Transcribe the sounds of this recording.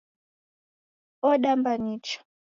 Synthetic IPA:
ɔɗambaɲit͡ʃḁ

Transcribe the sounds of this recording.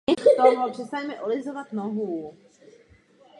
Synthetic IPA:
ɛxt̪oɦopr̝̥ɛst̪aɲmɛʔolɪzovat̪noɦu

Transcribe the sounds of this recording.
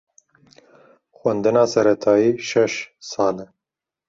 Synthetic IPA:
xwɛnd̪ɨnɑːsɛɾɛt̪ʰɑːjiːʃɛʃsɑːlɛ

